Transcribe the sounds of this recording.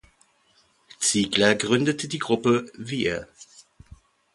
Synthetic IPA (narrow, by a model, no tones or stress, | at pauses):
t͡siːɡlɐɡʁʏndətədiːɡʁʊpəviːə̰